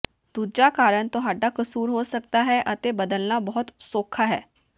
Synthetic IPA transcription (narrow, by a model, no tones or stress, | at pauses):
d̪̥uːd͡ʒaːkaːɾəɳt̪ʊɦaːɖaːkəsuːɾɦoːsək̚t̪aːɦɛːʔət̪eːbəd̪əlnaːbɔːʊt̪soːkʰaːɦɛ̰ː